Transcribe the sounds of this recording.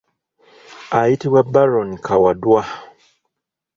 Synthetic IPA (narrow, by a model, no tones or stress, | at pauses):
ajitiwabaɾɔnkʰawadua